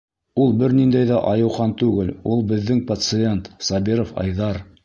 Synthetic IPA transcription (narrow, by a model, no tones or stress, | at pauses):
ulˠbɘɾnind̪æjðæʔɑjɤ̆wʁɑnt̪ʉɡɘlulˠbɘ̆ðːɘŋpɐt̪sɨe̞nt̪sɑbiɾofɑ̰jðɑɾ